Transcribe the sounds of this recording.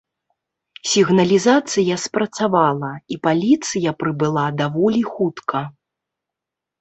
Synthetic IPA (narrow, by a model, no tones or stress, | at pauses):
sʲiɣnɐlʲizat̪sɨjɐspɾɐt̪savalˠɐipalʲit̪sɨjɐpɾɨbɨlˠad̪avɔlʲixut̪kʰɐ